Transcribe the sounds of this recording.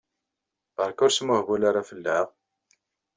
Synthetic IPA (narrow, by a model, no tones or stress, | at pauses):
ʁəɾkʊɾsmʊhvulaɾafəlːəʁ